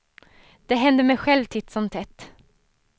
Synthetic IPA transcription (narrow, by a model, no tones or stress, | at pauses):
d̪̥ɛɦɛnd̪əmɛjɧɛlvt̪ʰɪt̪sɔmt̪ʰɛt̪ː